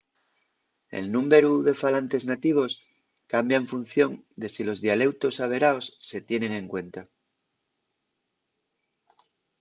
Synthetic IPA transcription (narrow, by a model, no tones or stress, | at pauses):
ḛlnũmbeɾuðe̞falant̪e̞znat̪iβ̞o̞s | kambjaeɱfun̟θjo̞nd̪e̞silo̞zðiale̞wt̪o̞saβ̞e̞ɾaosːe̞t̪je̞nẽ̞ŋẽ̞ŋkwe̞nt̪a